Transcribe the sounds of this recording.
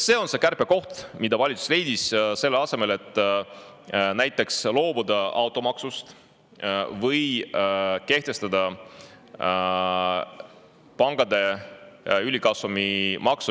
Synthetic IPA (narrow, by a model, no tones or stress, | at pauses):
se̞ːo̞nse̞kærpe̞ko̞ht̪mid̪̥ɑvɑlʲit̪susle̞jd̪̥isse̞lːeɑse̞me̞le̞t̪ˑː | næjt̪ːˑe̞kslo̞ːb̥ud̪ɑʔɑwt̪ːˑo̞mɑksust̪ | vɤj | ke̞ht̪e̞st̪ɑd̪̥ɑ | pɑŋɡ̥ɑd̪e̞ | ylʲikɑsumimɑksu